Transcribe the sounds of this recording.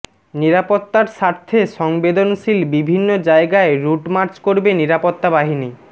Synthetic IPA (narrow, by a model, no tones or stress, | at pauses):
niɾapot̪ːaɾʃaɾt̪ʰeʃɔŋbed̪onʃilbibʱinːod͡ʑaeɡaeɾuʈmaɾt͡ɕkoɾbeniɾapot̪ːabaɦini